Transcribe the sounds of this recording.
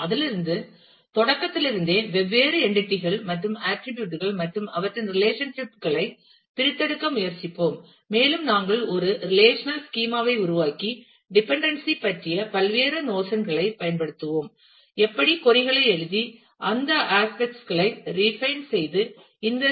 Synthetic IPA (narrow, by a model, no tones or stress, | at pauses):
ɐðɪlɪɾɯnd̪ɯ | t̪ɔɽɐkːɐt̪ːɪlɪɾɯnd̪eːʋɛʋːeːɾɯɛɳɖɪʈːɪɣɐɭmɐʈrɯmaːʈːɪʈjuːʈɯɣɐɭmɐʈrɯmɐʋɐʈːɪnɾɪleːʂɐnʂɪpɣɐɭɐɪ | pɪɾɪt̪ːɐɽɯkːɐmʊjɐɾt͡ʃɪpːoːmː | eːlɯmnaːŋɡɐɭɔɾɯɾɪleːʂɐnɐlskiːmaːʋɐɪʊɾʊʋaːki | ɖɪpɛɳɖɐnsipːɐʈrɪjɐpɐlʋeːɾɐnoːsɐnɣɐɭɐɪpːɐjɐnpɐɽɯt̪ːɯʋoːm | ɛpːɐɽikɔɾɪɣɐɭɐɪɛɻɯði | ʔɐnd̪ɐʔaːspɛk̚ʈsɣɐɭɐɪɾifɐɪnsɛjðɯ | ɪnd̪ɐ